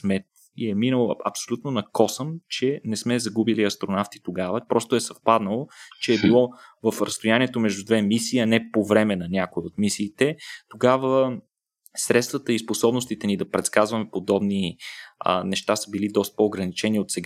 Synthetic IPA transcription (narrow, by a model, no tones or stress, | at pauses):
smɛ | iɛminəlˠoɐpsolʲut̪nonɐkɔsəmt͡ʃɛnɛsmɛzɐɡubiliɐst̪ɾonaft̪i̥t̪oɡavəpɾɔst̪oɛsɐfpad̪nəlˠot͡ʃɛːbilˠɔvəfɾɐst̪ojaniɛt̪omɛʒd̪ud̪vɛmisiːɐnɛpovɾɛmɛnɐnʲakoiot̪misiːt̪ɛt̪oɡavə | sɾɛt̪st̪vət̪əisposɔbnost̪it̪ɛnid̪ɐpɾɛt̪skazvɐmɛpod̪ɔbniə̰nɛʃt̪asəbilid̪ɔst̪̚poːɡɾɐnit͡ʃɛniot̪sɛɡ